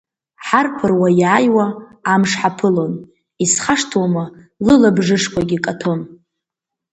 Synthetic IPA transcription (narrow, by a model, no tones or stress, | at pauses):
ħarpʰɨrwajaːjwaːmʂħapʰɨlo̞n | isχaʂtʰwamɨ | lɨlabʐɨʂkʷʰaɡʲikʼatʰo̞n